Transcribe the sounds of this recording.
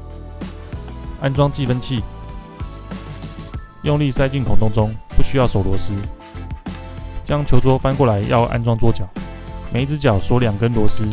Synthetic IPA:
a˥nt͡swɑ˥ŋt͡ɕi˥˨fə˦nt͡ɕʰi˥˨ | jʊ˥˧ŋli˥˨sa˥ɪt͡ɕy˥˩nk̪ʰʊ˨˥ŋt̪ʰʊ˥ŋt͡sʊ˥ŋpu˥˩ɕy˥jɑ˥˩ʊʂo˨˩ʊlwɔ˧˥˦sɹ̩˦ | t͡ɕjɑ˥ŋt͡ɕʰjo˧˥ʊt͡swɔ˥fa˥˦nkwɔ˥˩la˨˧˦ɪjʔɑ˥˧ʊʔa̰˥˧nt͡swɑ˥ŋt͡swɔ˥˩t͡ɕjɑ˨˩˦ʊme˨˧˥ɪt͡sɹ̩˥t͡ɕjɑ˨˩ʊswɔ˧˥ljɑ˨˩ŋkə˦nlwɔ˧˥sɹ̩˥

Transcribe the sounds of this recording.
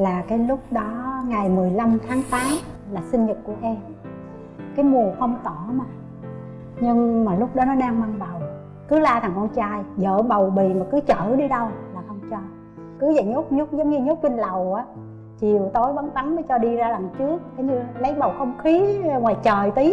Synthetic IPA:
laː˨˩kaː˨˦jlʊ˦˥k͡p̚ɗɔ˨˦ŋa˨˩jmɨ˨˩əjla˧mt̪ʰaː˨˦ŋt̪aː˨˦ŋ | laː˨˩sï˧nɲə˨˩t̚ku˧˩əʔɛ˧m | kaː˨˦jmu˨˩əxə˧wŋ͡mt̪ɔ˧˩maː˨˩ | ɲɨ˧ŋmaː˨˩lʊ˦˥k͡p̚ɗɔ˨˦nɔ˨˦ɗaː˧ŋma˧ŋɓə˨˩w | kɨ˨˦laː˧t̪ʰaː˨˩ŋkɔ˧nt͡ɕaː˧jzə̰ː˧˩ɓə˨˩wɓi˨˩˨maː˨˩kɨ˨˦t͡ɕəː˧˩ɗi˧ɗə˧wlaː˨˩xə˧wŋ͡mt͡ɕɔ˧ | kɨ˨˦za˨˩ɲo˦˥k͡p̚ɲʊ˦˥k͡p̚zə˨˦ŋ͡mɲɨ˧ɲo˦˥p̚t͡ɕi˧nlə˨˩wʔaː˨˦ | t͡ɕi˨˩əwt̪o˨˦jɓa˨˦nt̪a˨˦nməː˨˦jt͡ɕɔ˧ɗi˧zaː˧lə˨˩ŋt͡ɕɨ˦˥ək̚kə˨˦ɲɨ˧lə˨˦jɓə˨˩wxə˧wŋ͡mxi˨˦ŋwaː˨˩jt͡ɕəː˨˩jt̪i˨˦

